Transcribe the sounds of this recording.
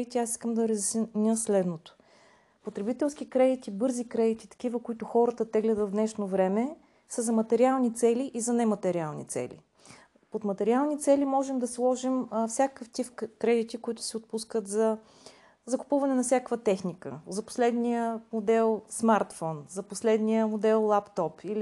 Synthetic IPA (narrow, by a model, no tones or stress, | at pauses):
it̪iasi̥skəmd̪ɐɾəzisnʲəslɛd̪not̪o̥ | pot̪ɾɛbit̪ɛlˠsk̟ikɾɛd̪it̪ibɤɾzikɾɛd̪it̪i̥t̪ɐ̥k̟ivəkoit̪ʊxɔɾət̪ət̪ɛɡlɛd̪ət̪vnɛʃnovɾɛmɛ | səzɐmɐt̪ɛɾialˠnit̪sɛliʔizɐnɛmɐt̪ɛɾialˠnḭt̪sɛ̰lḭ | pot̪mɐt̪ɛɾialˠnit̪sɛlimɔʒɛmd̪ɐslˠɔʒimfsʲjakəft̪ifkɾɛd̪it̪ikoit̪ʊ̥sɛot̪̚puskət̪zɐ | zɐkʊ̥puvɐnɛnɐfsʲjakkvət̪ɛxnikə̰zɐpo̥slɛd̪nijəmod̪ɛlˠsmaɾt̪fɔnzɐposlɛd̪nijəmod̪ɛlˠlˠapt̪ɔpili